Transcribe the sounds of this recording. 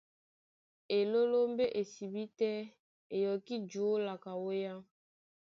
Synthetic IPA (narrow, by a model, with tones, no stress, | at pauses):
e˨lo˦lo˦mbe˦ʔe˨si˨bi˦tɛ˦ | e˨jɔ˨ki˦d͡ʒo˨˦la˨ka˨wo˦ja˦